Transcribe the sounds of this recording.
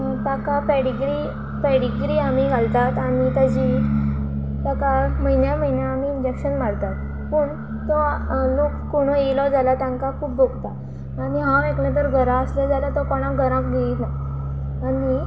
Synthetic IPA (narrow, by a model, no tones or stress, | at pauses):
t̪akapɛɽiɡɾi | pɛɽiɡɾiːamiɡʱalt̪at̪aɽ̃it̪ad͡ʑi | t̪akaməɦinjaməɦinjaːmiːɲd͡ʑekɕənmaɽt̪at̪ | pəːɳ | t̪ɔlokːoɽ̃oelɔd͡zalat̪jãŋkakʰuːp̚bʱoɡt̪a | aɽ̃iɦãekɳjãt̪̬əɾɡʱəɾãəsləd͡zalat̪ɔkɔɽ̃ãɡʱəɾãkɡeit̪na | aɽi